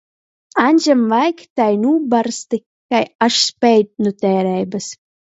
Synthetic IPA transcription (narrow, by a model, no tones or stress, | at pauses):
anʲʒamvajkt̪ajnuːbaɾst̪i | kajaʃspʲɛjt̪̚nut̪ɛːɾɛjbas